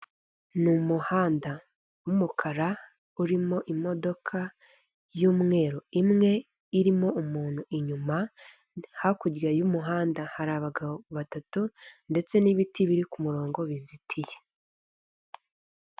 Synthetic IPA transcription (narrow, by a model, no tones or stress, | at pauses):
numuhaːnda | wumukʰaɾa | uɾimo̞ʔimo̞do̞kʰa | juːmŋe̞ːɾo̞imŋe̞ | iɾimo̞umuːn̥huʔiɲuma | hakuɟɡajumuɦaːndahaɾaːβaɡaβoβatatunde̞t͡se̞niβitʰiβiɾikumuɾo̞ːŋɡo̞βizitʰije